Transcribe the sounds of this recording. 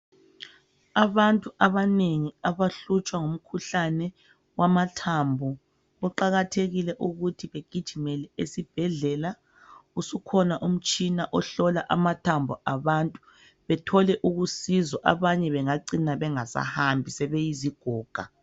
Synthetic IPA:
aβantʼuʔaβaneŋiaβaɬut͡ʃʼwaŋom̩kʰuɬanɛ | wamatʰambʱɔ | βɔǃaɣatʰeɣilɛʔuɣutʰiβeɡ̥ʱid̥ʒ̥ʱimɛlɛesib̥ʱɛɮɛla | usukʰɔnaʔum̩t͡ʃʼinaʔɔɬɔlaʔamatʰambʱɔʔaβantʼu̥ | βɛtʰɔlɛʔuɣusizɔʔa̰βaɲɛβɛŋaǀinaβɛŋasa̰hambʱisɛβɛjiziɡ̥ʱɔːɡ̥ʱa

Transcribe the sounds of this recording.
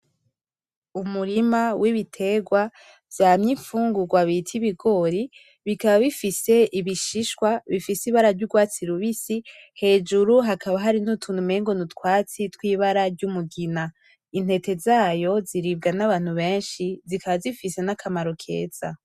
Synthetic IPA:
umuɾimawʔiβitʰe̞ɡwa | vjaːmɲiɱfuːŋɡuɡwaβitʰiβiɡo̞ɾi | βikaβaβifise̞ʔiβiʃiʃkwaβifisiβaɾaɾɟuɡwaːt͡siɾuβisi | he̞d͡ʒuɾuɦakʰaβaɦaɾinutʰunumeːŋɡonutkwaːt͡sitwiːβaɾaɾɟumuɡina | in̥he̞te̞zaːjo̞ziɾib̚ɡanaβaːn̥huβe̞ːnʃizikʰaβazifise̞nakʰamaɾokʰe̞̰ːz̥a̰

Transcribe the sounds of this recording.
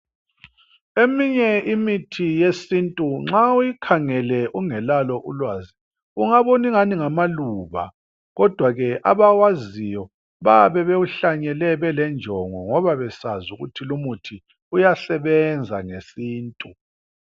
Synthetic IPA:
emiɲɛimitʰijesintʼuŋ͡ǁaujikʰaŋɛlɛʔuŋɛlalɔʔulwaːzi | uŋaβoniŋaniŋamaluːβa̰ | ɣɔd̥ʱwaɣɛʔa̰βawazijɔ | βaβɛβeuɬaɲɛlɛβɛlɛnd͡ʒʱɔŋɔŋɔβaβɛsazuɣṵtʰilumutʰi | ujasɛβɛnd͡zʱaŋesiːntʼu

